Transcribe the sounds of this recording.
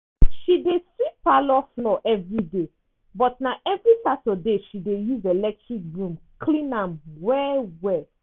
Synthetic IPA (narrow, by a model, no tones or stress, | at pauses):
ʃidesipalɔflɔʔɛvɹide | bɔt̚naɛvɹipatɔdeʃidejuzelɛk̚tɹik̚ɹũmkʰlĩnãmwɛwɛ